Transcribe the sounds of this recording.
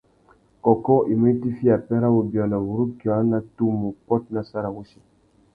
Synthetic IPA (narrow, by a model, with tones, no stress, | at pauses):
kɔ˨kɔ˦ʔi˨mə˦ti˦fi˦a˨pɛ˦ɾa˦wu˨bjɔ˨la˨wu˨ɾu˦ki˨a˨˦na˦tu˦mu˨pɔ˦t̚na˦sa˦ɾa˨wu˦si̥˨